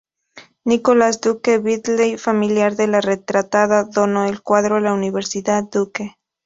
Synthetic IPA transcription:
nikolasd̪ukeβiðlejfamiljaɾðe̞laret̪ɾat̪aðaðonoelkwaðɾoalauniβe̞ɾsiðaðd̪uke

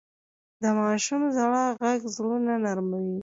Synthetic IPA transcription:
d̪əmɑʃumzaɽaɣaɡzɽunanaɾmawi

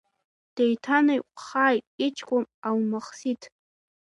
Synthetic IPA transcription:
d̥ejtʰanajqʷʼχaːjtʼit͡ʃʰkʷʼʊmawmaχsitʰ

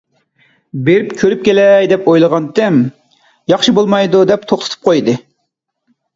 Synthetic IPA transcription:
beɾypkʲʰøɾyp̚kʲelɛjd̪ɛpojlˠəʁɑnt̪ʰɛm | jɑχʃɨbolˠmɑjd̪ud̪ɛp̚t̪ʰoχt̪ʰɨt̪ʰɨ̥p̚qʰojd̪ɨ

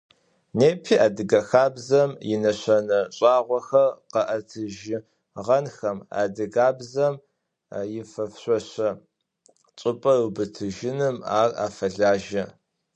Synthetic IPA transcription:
neːpʰiːʔaːdɨɡɐxaːbzɐmjɪnɐɕɐnɐɕʼɑːʁʷɔxɐrqɐʔɐtʰɨʒɪ | ʁɐnxɐma̰ːdɨɡaːbzɐm | jɪfɐfɕʷʼɔɕɐ | t͡ʃʼɨpʼɐrubɨtʰɨʒɪnɨmaːra̰ːfɐɮaːʒɐ

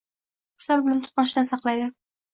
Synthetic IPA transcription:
ʊ̥ʃlaɾbɪlant̪ʰʊ̥t̪nɑʃd̪ansɑqlˠajd̪ɪ

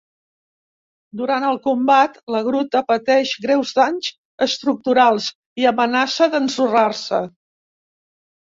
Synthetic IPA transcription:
d̪uɾant̪əlˠkumbat̪ləɣɾut̪əpət̪ɛʃɣɾɛwzd̪aɲz | əst̪ɾuk̚t̪uɾalˠz | iəmənasəðənsurarsə

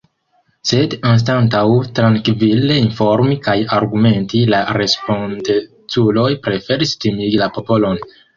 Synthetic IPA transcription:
se̞dans̬tantawtɾaŋkvile̞info̞ɾmikajaɾɡume̞ntilaɾe̞spo̞nde | t͡sulo̞jpɾe̞fe̞ɾistimiɡilapo̞po̞lo̞n

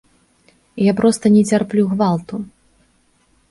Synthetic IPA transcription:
ijapɾɔst̪ɐnʲɛt͡sʲarplʲuɣvalˠt̪u

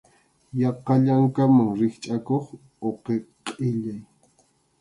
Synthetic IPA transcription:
jɑqɑʎaŋkamaŋɾɪχt͡ʃʼakoχ | oqeqʼɪʎaj

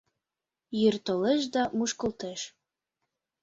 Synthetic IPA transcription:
jørt̪oleʃ̬d̪ɑmuʃkəlt̪eʃ

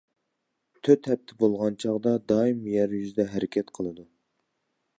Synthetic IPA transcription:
t̪ʰøt̪hɛp̚t̪ʰɪbolˠʁɑnt͡ʃʰɑʁd̪ɑd̪ɑːimjɛɾjyzɪd̪ɛɦɛɾɪkʲʰɛt̪qʰəlˠɨd̪u

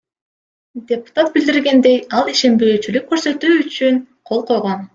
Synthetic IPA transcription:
d̪ʲe̞pu̥t̪at̪̚bild̪iɾɡe̞nd̪e̞jɑlˠiʃe̞mbøːt͡ʃylyk̚ːø̞ɾsø̞t̪yːyt͡ʃyn | qʰo̞lˠqʰo̞jʁo̞n

